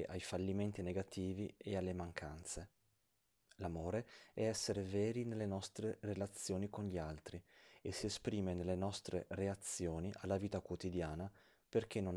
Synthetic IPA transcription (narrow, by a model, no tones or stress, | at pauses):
ʔajfalːiment̪ineɡat̪iːviealːemaŋkʰant̪se | lamoːɾeɛɛsːeɾevɛːɾinelːenɔst̪ɾerelat̪sːjoːnikonʎialt̪ɾiesːiespɾiːmenelːenɔst̪ɾḛreat̪sːjoːniʔalːaviːt̪akwot̪id̪jaːna | perk̟enːon